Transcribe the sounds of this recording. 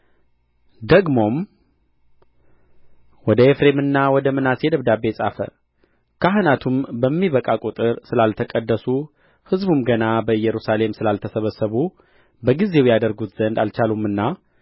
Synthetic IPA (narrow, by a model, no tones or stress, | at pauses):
d̪əɡmo̞m | wɔd̪əefɾe̞mɨnːawɔd̪əmɨnase̞d̪əβd̪abe̞sʼa̰fə̰ | kʰaɦɨnat̪ʰumbəmːiβəkʼakʼut̪ʼɨɾsɨlalt̪ʰəkʼəd̪ːəsu | hɨzbumɡənabəɨjɛɾusale̞msɨlalt̪ʰəsəβəsːəβu | bəɡize̞wjad̪əɾɡut̪z̥ənd̪alt͡ʃalumːɨnːa